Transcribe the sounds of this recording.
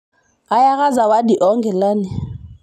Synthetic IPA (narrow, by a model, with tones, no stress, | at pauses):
a˦ja˦ɣa˦za˨wa˦di˨ʔɔ˦ŋɡɛ˨laː˦nɪ˨